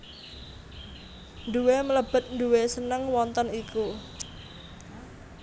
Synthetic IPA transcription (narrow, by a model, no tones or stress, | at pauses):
nd̪uwemələb̥ə̤t̪̚nd̪uwesənəŋwɔnt̪əniku